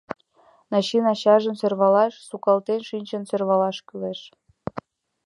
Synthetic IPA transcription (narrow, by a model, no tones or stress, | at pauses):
nɑɕinɑɕɑʒənserβɑlɑʃsukɑlt̪enʃinʲt͡ɕənsørβɑlɑʃkyleʃ